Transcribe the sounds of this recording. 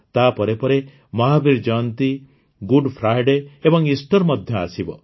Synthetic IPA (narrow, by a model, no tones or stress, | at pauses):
t̪apɔɾepɔɾe | mɔɦabiɾd͡ʒɔnt̪i | ɡuɖpʰɾajɖeebɔŋisʈɔɾmɔd̪ʱjɔa̰sibɔ